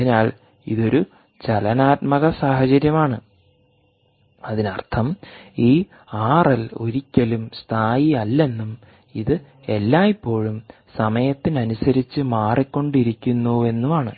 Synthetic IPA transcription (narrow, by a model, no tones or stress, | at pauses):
ɐinaːɭ | ḭðo̞ɾu | t͡ɕɐlɐnaːt̪̚mɐɣɐsaːhɐt͡ɕɐɾjɐmaːɳɨ | ɐðinɐ̰rt̪ʰɐmiː | aːrɐlo̞̰ɾikʲːɐlumst̪ʰaːjiɐlːe̞nːum | iðɨ | e̞lːaːipːo̞ːɻum | sɐmɐjɐt̪ːinɐnusɐɾit͡ɕːɨmaːrikʲːo̞ɳɖiɾikʲːunːue̞nːumaːɳɨ